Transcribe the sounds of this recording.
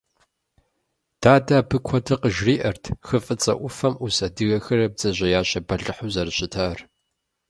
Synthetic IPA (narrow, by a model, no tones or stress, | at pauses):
d̥aːdaːbɨkʷʰɔtʰɐqəʒriːʔɐrtʰxɨfʼɨt͡sʼɐ̰ʔʷʊfɐmusɐdɨɣɐxɐɾɐb̚d͡zɐʑɐjaːɕɐbɐɮɨħuːzɐɾɨɕʼɪtʰar